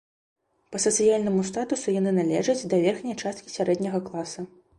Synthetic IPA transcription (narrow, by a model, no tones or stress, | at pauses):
pɐsɐt̪sɨjalʲnɐmust̪at̪usujanɨnalʲɛ̰ʐɐd͡zʲd̪ɐvʲɛrxnʲɐjt͡ʂast̪kʲi̥sʲaɾɛd̪ʲnʲɐɣɐklˠasɐ